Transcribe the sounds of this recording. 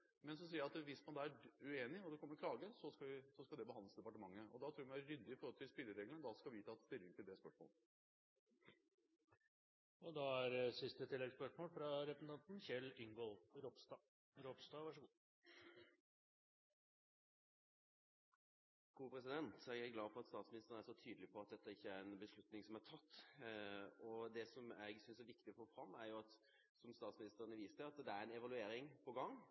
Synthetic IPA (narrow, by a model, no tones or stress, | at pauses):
mɛnsɔs̬iːɾjæɑt̪ʋɪsmɑnd̪ɑæɾʉeːnɪɔd̪ɛkɔmːəɾɔklɑːɡəsɔskɑʋɪsɔskɑld̪ɛbəhɑnəsd̪ɛpɑʈəmɑŋːəɔ̰d̪ɑt̪ʰɾuːɾʋmnʋæɾɾʏd̪ːɪɪfɔɾhɔlt̪ʰɪlspɪlːəɾeːɡlənəd̪ɑskɑʋɪt̪ʰɑːt̪st̪ɪlːɪŋt̪ʰɪld̪ɛspœʂmo̰ːlə | ɔd̪ɑæɾsɪst̪ət̪ʰɪlːɛɡspœʂmoːlfɾɑɾɛpəsn̩t̪ʰɑnt̪n̩ɕɛlɪŋɡɔlɾɔpst̪ɑ | ɾɔpst̪ɑːʋɑʂəɡu | ɡʰuːpʰɾɛsɪd̪ɛnt̪ɛɡæɡlɑːfɔɾɑt̪st̪ɑːt̪smɪnɪst̪ənæɾʂɔt̪ʰyːd̪l̩ɪpʰɔɑt̪̚d̪ɛt̪ːəɪçːəæɾɛnbəʂlʉt̪nɪŋsɔmæt̪ʰɑt̪ː | ɔd̪ɛsɔmæɪɡsʏnsæɾʋɪkt̪ɪɔfoːfɾɑmːæɾjʊɑt̪ | sɔmst̪ɑːt̪smɪnɪst̪əɾənəʋiːsəɑt̪d̪ɛæɾɛnɛʋɑlʉeːɾɪŋpʰɔɡɑŋː